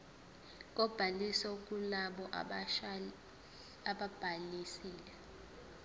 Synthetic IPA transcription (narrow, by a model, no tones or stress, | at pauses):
k̬ʼɔb̥ʱalisɔuk̬ʼulaɓɔʔ | aɓab̥ʱalisiːlɛ